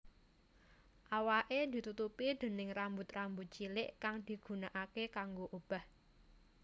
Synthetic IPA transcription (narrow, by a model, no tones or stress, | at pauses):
ʔawaʔed̪̥i̤t̪ut̪upid̪̥ə̤nɪŋrambʊt̪rambʊt̪̚t͡ʃilɪʔkaŋd̪̥i̤ɡ̥ṳnaʔakekaŋɡoʔob̥a̤h